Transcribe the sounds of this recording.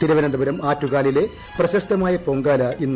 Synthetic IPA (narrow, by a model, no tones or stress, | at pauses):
t̪iɾuʋɐnɐnd̪ɐbɐɾɐmaːtːuɣaːlile̞ | prɐɕɐst̪ɐmaːjɐpo̞ŋɡaːlɐʔinː